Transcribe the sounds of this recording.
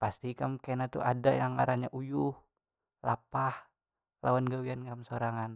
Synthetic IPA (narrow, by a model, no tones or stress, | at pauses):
past̪ikamkenat̪ṵʔadajaŋa̰ɾaɲaʔujʊh | la̰pah | la̰wanɡawiankamsoɾaŋan